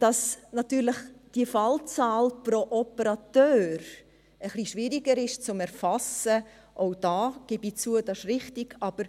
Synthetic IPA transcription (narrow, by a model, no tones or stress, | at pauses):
d̥ɑsnɑtyːɾləχd̥iəfɑlt͡saːlpɾoʔɔpəɾɑtøːɾ | əχliʃʋɪɾiɡəɾɪʃt͡sʊmɛɾfɑsə | ʔoʊd̥ɑːɡ̥ɪbit͡suədɑʃrɪχtɪɡ̥ɑb̥əɾ